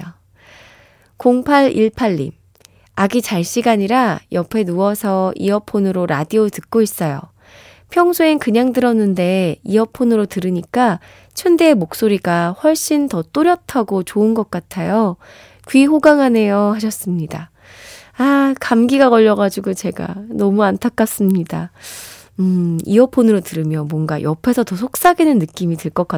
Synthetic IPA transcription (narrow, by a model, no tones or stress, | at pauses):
koŋpʰaɾiɭpʰaʎːḭm | aɡit͡ɕaɭɕ͈iɡaɲiɾajʌpʰe̞nuʌsʰʌḭʌpʰonɯɾoɾadiotɯk̚k͈ois͈ʌjo̰ | pʰjʌŋsʰoenkɯɲaŋdɯɾʌnːɯnde̞iʌpʰonɯɾotɯɾɯɲik͈a | t͡ɕʰʌndeːmok̚s͈oɾiɡaɸwʌɭɕ͈intʌt͈oɾjʌtʰaɡot͡ɕoɯnɡʌk̚k͈atʰajo | kɥiɦoɡaŋɦane̞jʌhaɕ̬ʰʌs͈ɯmɲida | akamɡiɡaɡʌʎːʌɡad͡ʑiɡot͡ɕe̞ɡa̰nʌmuantʰak͈̚as͈ɯmɲida | ɯḭʌpʰonɯɾotɯɾɯmjʌmwʌnɡa̰jʔʌpʰe̞sʰʌtʌsʰok̚s͈aɡinɯnːɯk͈imitɯɭk͈ʌk͈a